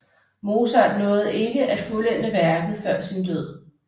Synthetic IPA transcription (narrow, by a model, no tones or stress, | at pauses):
mo̝ːsɐdnɔ̽ːð̩ˠe̝ɡ̥əʔæd̥fulen̰̥əʋæɐɡ̥ð̩ˠfɶɐ̰sind̥øð̰ˠ